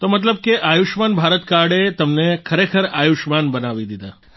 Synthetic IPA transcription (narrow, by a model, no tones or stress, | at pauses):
t̪omət̪̬ləb̚keʔajuʃmanbʱaɾət̪kaɽet̪əmnekʰəɾekʰəɾajuʃmanbənaʋid̪id̪a